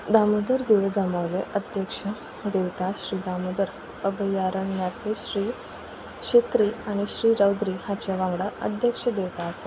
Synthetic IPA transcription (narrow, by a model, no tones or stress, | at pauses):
d̪amud̪əɾd̪iʋd͡zəmaʋleʔəd̪ʱjəkʂə | d̪eʋt̪aɕɾiːd̪amud̪əɾ | əbəjaɾəɳjat̪ʰliɕɾiː | ɕet̪ɾiːaɽ̃iɕɾiːɾəwd̪ɾiːhãt͡ɕjaʋãŋɡɽaʔə̰d̪ʱjəkʂəd̪eʋt̪aəsa